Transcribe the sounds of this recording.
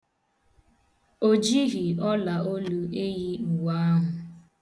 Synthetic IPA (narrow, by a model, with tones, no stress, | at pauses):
o˦d͡ʒi˦ɦi˨ɔ˦la˨ʔo˦lu˦e˦ji˦u˨wa˦a˦ɦʊ˨